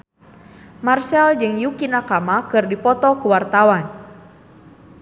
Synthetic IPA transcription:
marsɛld͡ʒɨŋjukinakamakɨrdipɔt̪ɔkuwart̪awan

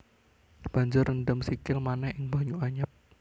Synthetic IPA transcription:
b̥a̤ɲd͡ʒʊrənɖəmsikɪlmanɛhɪŋb̥a̤ɲuaɲəp̚

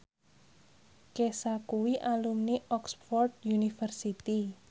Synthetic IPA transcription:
kesakuwiʔalumniʔɔksfɔrt̪̚junifərsit̪i

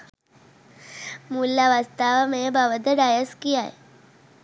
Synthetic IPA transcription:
mulːaʋast̪aʋmẽbaʋəd̪əɖajəskiaj

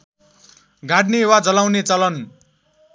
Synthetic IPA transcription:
ɡʱaʈnewad͡zʌlawnet͡sʌlʌn

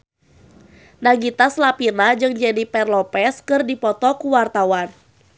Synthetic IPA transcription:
naŋɡit̪aslapinad͡ʒɨŋd͡ʒadipɛrlɔpɛskɨrdipɔt̪ɔkuwart̪awan

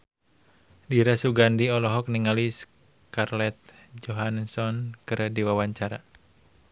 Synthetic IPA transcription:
diɾasuɡandiɔlɔɦɔk̚niŋalis | karlɛt̪̚d͡ʒɔɦansɔnkɨɾdiwawaɲt͡ʃaɾa̰

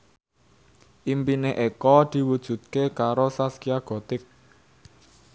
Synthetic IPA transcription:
ʔimpineʔekɔd̪̥i̤wud̥ʒ̥ṳt̪̚kekaɾosaskiaɡ̥ɔ̤t̪ɪk̚

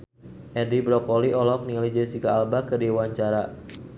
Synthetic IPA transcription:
ʔɛdibɾɔkɔliʔɔlɔk̚nilid͡ʒəsikaːlbakədewaɲt͡ʃaɾa

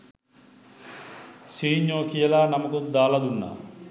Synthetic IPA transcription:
siːɲːõːkijəlaːnamɐkut̪d̪aːlad̪unːa̰ː

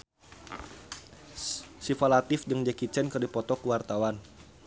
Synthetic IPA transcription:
sifalat̪ɪfdəŋd͡ʒɛkit͡ʃɛnkərdipɔt̪ɔkuwart̪awan

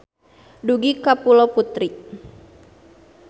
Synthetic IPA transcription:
duɡikapulɔput̪ɾiʔ

